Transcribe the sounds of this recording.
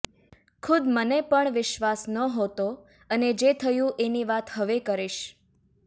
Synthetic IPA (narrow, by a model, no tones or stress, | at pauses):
kʰud̪mənepəɳʋɪʃʋasnəɦot̪o | əned͡ʒet̪ʰəjũʔeniʋat̪həʋekəɾiʃ